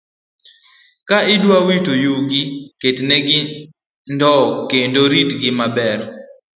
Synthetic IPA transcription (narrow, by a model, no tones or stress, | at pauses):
kaɪdwawitojuɡɪketnɛɡɪ | ndɔkendoɾitɡɪmabɛɾ